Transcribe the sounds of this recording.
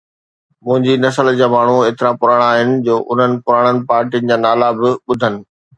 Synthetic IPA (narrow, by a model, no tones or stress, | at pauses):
mʊ̃ɦɪ̃ɲd͡ʑinɐsəld͡ʑaːmaːɳ̤ueːt̪ɪɾãpʊɾaːɽ̃aːɦɪnɪ̆d͡ʑoːʔʊn̤ənɪ̆pʊɾaːɽ̃ənɪ̆paːɾʈijənɪ̆d͡ʑaːnaːlabɪɓʊd̪ʱənɪ̆